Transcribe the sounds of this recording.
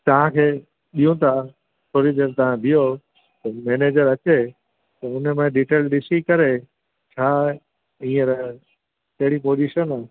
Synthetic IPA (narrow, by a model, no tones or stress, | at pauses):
t̪ɐʋ̤ãkʰeː | ɗijũt̪ʰa | sʰoːɾid͡ʑɐbt̪ɐʋ̤ãb̪ʱijo | t̪ɐmeːneːd͡ʑəɾɐt͡ɕe | t̪ɐʊnəmẽɖiːʈeːlɗɪsikɐɾe | t͡ɕʰaː | ĩːə̃ɾ | t̪ɐɦɪɽ̃ipoːd͡ʑiʃənaː